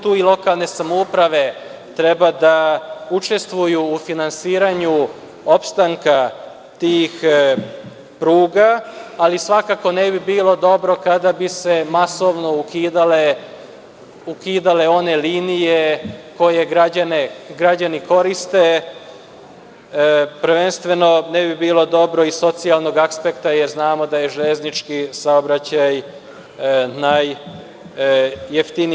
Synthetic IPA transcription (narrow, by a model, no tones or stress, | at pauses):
t̪uːilˠo̞kalˠne̞samoupɾaʋe̞ | t̪ɾe̞bad̪aut͡ʃe̞st̪ʋujuːfinansiːɾaɲu | opst̪aŋka | t̪iːx | pɾuːɡaːlisʋakako̞nebibiːlˠo̞d̪o̞bɾo̞kad̪abise̞maso̞ʋno̞ukid̪ale | ukiːd̪ale̞o̞ne̞liːnijeko̞je̞ɡɾad͡ʑaneɡɾad͡ʑaniko̞ɾist̪e | pɾʋe̞nst̪ʋe̞no̞nebibiːlo̞d̪o̞bɾo̞iso̞t̪sialˠno̞ɡakspekt̪ajeɾznaːmo̞d̪ajeʒeʎeznit͡ʃkisaobɾat͡ɕaj | naj | eft̪ini